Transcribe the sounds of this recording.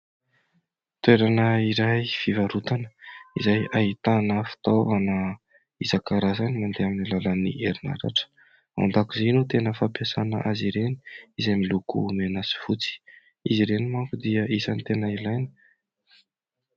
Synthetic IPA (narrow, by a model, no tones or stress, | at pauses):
t̪weɾanəiɾajfivaɾut̪anə̥izajaɦit̪anəfi̥t̪ovanə | izakaɾazanimand̪eaminilalənḭʔeɾina̰ɾa̰ʈ͡ʂə̥ | a̰nd̪akuzenut̪enəfapjasanə̰ʔaziɾeni̥izamilukṵmenasi̥fut͡si̥ | iziɾenimaŋkud̪iəʔisanit̪enailajni̥